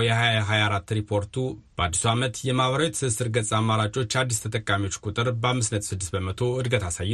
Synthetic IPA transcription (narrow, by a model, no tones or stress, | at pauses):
jɛhajajaɦajaɾat̪ːɾipʰo̞ɾt̪ʰub̥əad̪ːisuamət̪jɛmaβəɾawɛt̪sɨsɨɾɡət͡sʼamːaɾat͡ʃʼo̞t͡ʃːad̪ːist̪ʰət̪ʼəkʼːamiwo̞t͡ʃːkʼut̪ʼɨɾbəamːɨsnət̪sɨd̪ːɨsbəmət̪ʰo̞ɨd̪ɡət̪ʰasajː